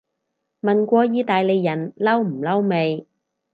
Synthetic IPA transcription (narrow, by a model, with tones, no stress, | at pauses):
mɐ˨nkʷɔː˧jiː˨˥t̪aː˨jle˨˧jːɐ˨˩nlɐ˥wm̩˨˩lɐ˥wme˨˧j